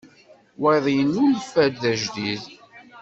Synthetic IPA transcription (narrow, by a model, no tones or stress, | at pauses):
weðˤjənːulfæd̪ðæʒdið